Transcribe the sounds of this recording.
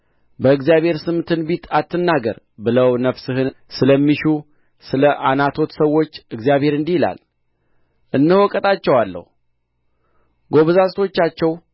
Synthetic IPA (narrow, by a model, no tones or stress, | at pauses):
bəɨɡzijaβhe̞ɾsɨmt̪ʰɨnbit̪ʰat̪ːɨnːaɡə̰ɾ | bɨləwnəfsɨhɨnsɨləmːiʃu | sɨləʔanat̪ʰo̞t̪səwːo̞t͡ʃːɨɡzijaβhe̞ɾɨnd̪ihila̰l | ʔɨnːɨhwɔkʼət̪ʼat͡ʃːɛwalːə̰hu | ɡo̞βəzasʼt̪ʰo̞t͡ʃːat͡ʃːɛw